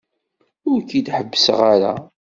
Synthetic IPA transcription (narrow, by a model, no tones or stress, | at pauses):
ʊɾkid̪ħəbːəsʁaɾa̰